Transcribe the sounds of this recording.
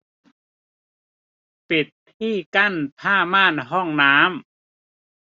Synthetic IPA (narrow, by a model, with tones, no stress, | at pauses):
pi˨˩t̪̚ʰːiː˥˩ka˥˩˨npʰaː˥˩maː˥˨nɦɔ˥˩ŋnaː˦˥m